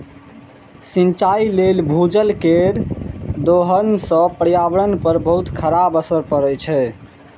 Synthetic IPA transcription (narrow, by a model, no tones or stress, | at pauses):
sint͡ʃailelbʱud͡ʒəlkeɾd̪oɦənsə̃pɾjabɾənpəɾbəɦut̪kʰəɾabəsəɾpəɾɛt͡ʃʰɛ